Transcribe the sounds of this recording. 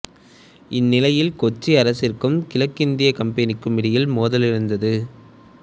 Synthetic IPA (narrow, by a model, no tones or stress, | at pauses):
ɪnːɪlɐjɪlkɔt͡ʃːiɐɾɐsɪrkɯmkɪlɐkːɪnd̪ɪjɐkɐmpɐnɪkːɯmɪɽɪjɪlmoːðɐlɪɾɯnd̪ɐðɯ